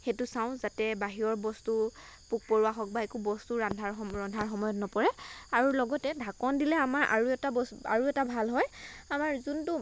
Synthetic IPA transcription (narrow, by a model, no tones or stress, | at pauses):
xetusaʊ̃zatɛbaɦiɔɹbɔstu | puk̚pɔɹuwaxɔk̚baekubɔstuɹandʱaɹɔɹɔndʱaɹxɔmɔjɔtnɔpɔɹɛaɹulɔɡɔtɛdʱakɔndilɛamaɹʔa̰ɹuɛtabɔsa̰ɹuɛtabʱalɦɔjamaɹzuntʊ